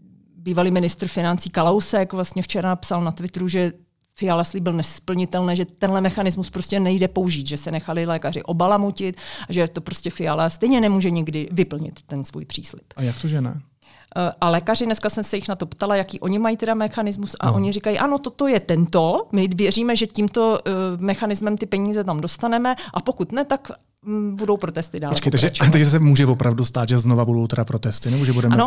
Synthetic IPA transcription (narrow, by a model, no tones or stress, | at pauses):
biːvaliːmɪnɪst̪ɾ̩fɪnant͡siːkalowsɛkvlast̪ɲɛft͡ʃɛɾapsalnat̪vɪt̪ɾuʒɛ | fɪjalasliːbɪlnɛspl̩ɲɪt̪ɛlnɛːʒɛt̪ɛnɦlɛmɛxanɪzmuspɾo̞scɛnɛjdɛpo̞uʒiːt̪ʒɛsɛnɛxalɪlɛːkarɪ̰ʔo̞balamocɪt̪aʒɛt̪opɾo̞scʲɛfɪjalast̪ɛjɲɛnɛmuːʒɛɲɪɡdɪvɪpl̩ɲɪ̰t̪ːɛnsvṵjpr̥ḭːslɪ̰pajakt̪oʒɛnɛ̰ | ʔalɛːkar̝ɪnɛskasɛmsɛjɪxnat̪o̞pt̪alajakiːʔo̞ɲɪmajit̪ɛdamɛxanɪzmusʔa̰o̞ɲɪrikajiʔano̞t̪ot̪ojɛt̪ɛnt̪omɪvjɛr̝iːmɛʒɛciːmt̪o̞mɛxanɪzmɛmt̪ɪpɛɲiːzɛt̪amdo̞st̪anɛmɛʔapo̞kut̪nɛt̪ak | budowpɾo̞t̪ɛst̪ɪdaːlolɛt͡ʃkɛjt̪aʒɛt̪aɡʒɛs̬ɛmuːʒɛvopɾavdust̪aːt̪ʒɛznovabudo̞wt̪ɛdapɾot̪ɛst̪ɪnɛboʒɛbudɛmɛno